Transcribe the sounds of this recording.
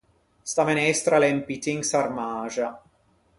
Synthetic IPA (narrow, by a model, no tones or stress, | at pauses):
st̪amɛnɛst̪ɾalɛmpit̪iŋɡsarmaːʒa